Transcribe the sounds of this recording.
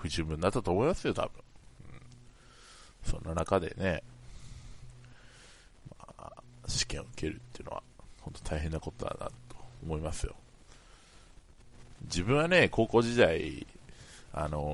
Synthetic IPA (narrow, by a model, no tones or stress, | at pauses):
ɸɯ̟ʑɨːbɯ̟nːat̪ːat̪oːmo̞imasɨjo̞t̪ʰa̰b̥ɯ̟̰̃ɴɯ̃ | sõ̞nːanakad̪e̞̰ne̞ | ma̰ː | ɕi̥kẽ̞oɯ̟ke̞ɾɯ̟t̪ːeiɯ̟noa̰hõ̞nt̪o̞̥t̪ʰaiɦẽ̞nːako̞t̪od̪a̰na̰t̪o̥ːmo̞imasɨjo̞̰ | d͡ʑibɯ̃ɰ̃wane̞ko̞ːko̞ːʑid̪ai | a̰no